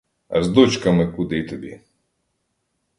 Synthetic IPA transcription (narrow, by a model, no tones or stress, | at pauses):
ɐ̰zd̪ɔt͡ʃkɐmɪkud̪ɪjt̪ɔbʲi